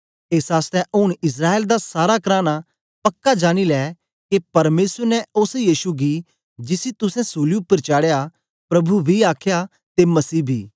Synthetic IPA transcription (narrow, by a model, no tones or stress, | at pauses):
eːsaːst̪ɛ̃ʔʊɽ̃ɪs̬ɾaːeːld̪asaːɾakɾaːña | pɐkːad͡ʒaːɽ̃ilɛː | kepɐɾmeːsəɾnɛʊsjiːʃuɡi | d͡ʒɪsit̪ʊsɛ̃suːliʊpːəɾt͡ʃaːɽja | pɾɐbubʱiaːkʰja | t̪emɐsiːbʱḭː